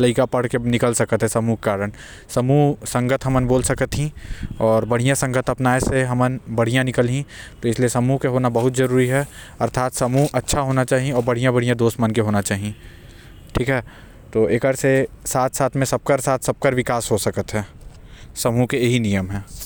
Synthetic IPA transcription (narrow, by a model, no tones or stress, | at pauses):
ləɪkapɐɽ̤kenɪkəlsɐkət̪ɦɛsɐmuɦkaːɾən | sɐmusɐ̃ŋɡət̪ɦɐmənboːlsɐkət̪ɦĩɔːɾbɐɽ̤ijãsɐ̃ŋɡət̪ɐpnaːeseɦɐmənbɐɽ̤ijãnɪkəlɦĩt̪oɪslijesɐmuɦkeɦoːnabɐɦʊt̪zɐɾuːɾiɦɛ | ɐɾt̪ʰaːt̪sɐmuɦɐtːʃʰaɦoːnat͡ʃaːɦiẽɔːɾbɐɽ̤ijãbɐɽ̤ijãd̪oːsmənkeɦoːnat͡ʃaːɦiẽ | ʈʰiːkɦɛː | t̪oːeːkəɾsesaːt̪ʰsaːt̪ʰmẽsɐb̚kəɾsaːt̪ʰsɐb̚kəɾʋɪkaːsɦosɐkət̪ɦɛ̃ː | sɐmukeeɦinijəmɦɛ̃ː